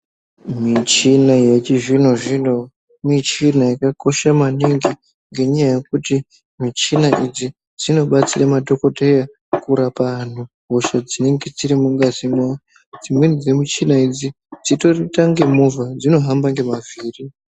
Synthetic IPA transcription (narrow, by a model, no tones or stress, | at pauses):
mit͡ʃinajet͡ʃiʐin̤o̞ʐino̞ | mit͡ʃinajikako̞ʃamaniŋɡi | ŋɡe̞ɲajaje̞kuti | mit͡ʃinaʔid͡zi | d͡zino̞ɓat͡siramadoko̞teja | kuɾapaan̤u | ɦoʃad͡zine̞ŋɡe̞d͡ziɾimuŋɡazimwa | d͡zimwenid͡zemit͡ʃinaid͡zi | d͡zito̞ritaŋɡe̞muvad͡zino̞ɦambaŋɡe̞maviːri